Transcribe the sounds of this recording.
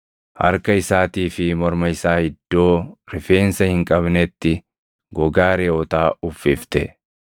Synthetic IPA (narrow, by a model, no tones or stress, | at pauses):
ʔɐ̰ɾkɐɪsaːt̪iːfɪmɔɾmɐɪsaːhɪd̪̥ːo̞ːɾɪfe̞ːnsɐhɪŋkʼɐbnɛt̪ːɪ | ɡɔɡaːɾeːɔt̪aːʊfːɪft̪ɛ̰